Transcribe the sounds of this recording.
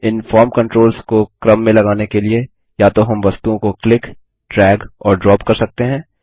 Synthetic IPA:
ɪnfɔːɾmkɐ̃ɳʈɾoːlzkokɾɐmːẽlɐɡaːnekelie | jaːt̪oɦɐmʋɐst̪uõkoklɪk | ʈɾɛːɡɔːɾɖɾɔːpkɐɾsɐk̚t̪eɦɛ̃ː

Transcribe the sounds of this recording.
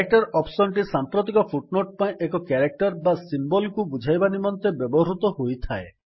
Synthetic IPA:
kek̚ʈɔɾɔpsɔnʈ̬isampɾot̪̬ikɔpʰuʈnoʈ̚paĩʔekɔkaɾek̚ʈɔɾbasimbɔlkubud͡ʒʱajbanimɔnt̪ebjɔbɔɦɾut̪ɔɦojt̪ʰae

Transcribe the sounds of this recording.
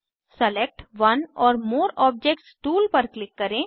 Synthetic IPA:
səlek̚ʈʋɐnɔːɾmoːɾɔːb̚d͡ʒek̚ʈsʈuːlpɐɾklɪkːɐɾẽː

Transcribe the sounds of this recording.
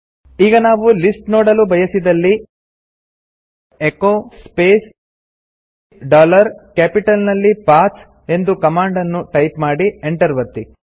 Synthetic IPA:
iːɡɐnaːʋulisʈnoːɽɐlubɐjɐsid̪ɐlːi | ekoːspeːs | ɖaːlɐɾkaːpiʈɐlnɐlːipaːs | e̞nd̪ukɐmaːɳɖɐnːuʈɐjpmaːɽieɳʈɐɾʋɐt̪ːi

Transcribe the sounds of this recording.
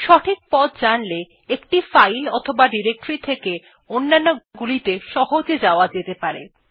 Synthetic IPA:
ʃɔʈʰik̚pɔd̪d͡ʑanle | ekʈifajlɔt̪ʰobaɖiɾek̚ʈɾit̪ʰeke | onːanːoɡulit̪eʃɔɦod͡ʑed͡ʑaoad͡ʑet̪epaɾḛ

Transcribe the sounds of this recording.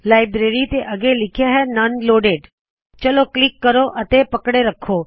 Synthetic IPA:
lajbɾeɾit̪eʔəɡelɪkʰjaɦɛnənloːɖeɖ | t͡ʃəloklɪkːəɾoʔət̪epəkɽeɾəkʰo

